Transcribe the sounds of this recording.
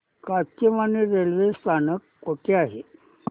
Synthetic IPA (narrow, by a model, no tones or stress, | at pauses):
kakəmaniɾelʋest̪ʰanəkːoʈʰeaɦe